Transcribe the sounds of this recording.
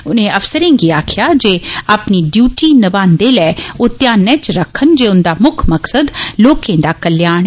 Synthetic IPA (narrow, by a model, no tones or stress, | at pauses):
ʊnẽːəfsəɾẽːɡiːaːkʰɪjaːd͡ʒeːaːpniːɖjuːʈiːnəbãːnd̪eːlɛːoːt̪jaːnːɛ̃ːt͡ʃɾəkʰːənd͡ʒeːʊnd̪aːmʊkʰməksəd̪loːkẽːd̪aːkəljaːɽ̃ɛ